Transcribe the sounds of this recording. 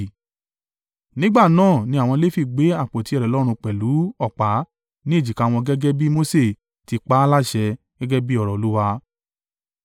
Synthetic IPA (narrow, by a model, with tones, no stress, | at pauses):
nĩ˦ɡ͡ba˦˨nãː˦˨nĩ˧˦a˨w̃ɔ̃˧le˦fi˦˨ɡ͡be˨˦a˦˨k͡po˨ti˦ɛ˧ɾɛ˨lɔ˦ɾ̃ũ˧k͡pɛ˨lu˨˦ɔ˦˨k͡pa˨˦ | nĩ˦e˦˨d͡ʒi˨ka˨˧˦w̃ɔ̃˧ɡɛ˦ɡɛ˦bi˦mo˦se˦˨ | ti˨˧k͡pa˦la˦˨ʃɛ˧ | ɡɛ˦ɡɛ˦bi˦ɔ˦˨ɾɔ˨lu˦wa˧